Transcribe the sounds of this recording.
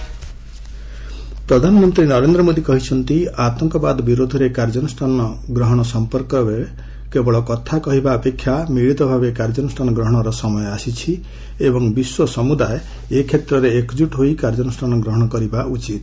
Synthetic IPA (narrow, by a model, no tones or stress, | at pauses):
pɾɔd̪ʱanɔmɔnt̪ɾinɔɾend̪ɾɔmod̪ikɔɦit͡ʃʰɔnt̪iat̪ɔŋkɔbad̪biɾod̪ʱɔɾekaɾd͡ʒɔnusʈʰanɔɡɾɔɦɔɽ̃ɔsɔmpɔɾkɔɾe | kebɔɭɔkɔt̪ʰakɔɦibaɔpekʰːjamiɭit̪ɔbʱabekaɾd͡ʒɔnusʈʰanɔɡɾɔɦɔɽ̃ɔɾɔsɔmɔjɔasit͡ʃʰi | ebɔŋbiswɔsɔmud̪ae | ekʰet̪ɾɔɾeekd͡ʒuʈɦoikaɾd͡ʒɔnusʈʰanɔɡɾɔɦɔɽ̃ɔkɔɾibaʔut͡ʃit̪